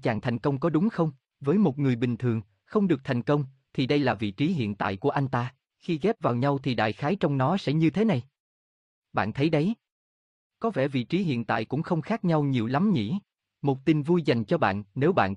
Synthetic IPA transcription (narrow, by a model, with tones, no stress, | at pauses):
t͡ɕaː˨˩ŋt̪ʰa˨˩jŋ̟kə˧wŋ͡mkɔ˨˦ɗʊ˨˦ŋ͡mxə˧wŋ͡m | vəː˨˦jmo˨˩t̚ŋɨ˨˩əjɓï˨˩ŋ̟t̪ʰɨ˨˩əŋ | xə˧wŋ͡mɗɨ˨˩ək̚t̪ʰa˨˩jŋ̟kə˧wŋ͡m | t̪ʰi˨˩ɗə˧jlaː˨˩vḭ˧˨t͡ɕi˨˦ɦḭ˧˨ənt̪a̰ː˧˨jku˧˩əʔa˧jŋ̟t̪aː˧ | xi˧ɣɛ˦˥p̚vaː˨˩wɲa˧wt̪ʰi˨˩ɗa̰ː˧˨jxaː˨˦jt͡ɕɔ˧wŋ͡mnɔ˨˦sɛ̰˧˥ɲɨ˧t̪ʰe˨˦na˨˩j | ɓa̰ː˧˨nt̪ʰə˨˦jɗə˨˦j | kɔ˨˦vɛ̰˧˩vḭ˧˨t͡ɕi˨˦ɦḭ˧˨ənt̪a̰ː˧˨jkʊ̰˧˥ŋ͡mxə˧wŋ͡mxaː˦˥k̚ɲa˧wɲi˨˩əwla˨˦mɲḭ˧˥ | mo˨˩t̚t̪i˨˩nvu˧jza˨˩jŋ̟t͡ɕɔ˧ɓa̰ː˧˨nːe˨˦wɓa̰ː˧˨n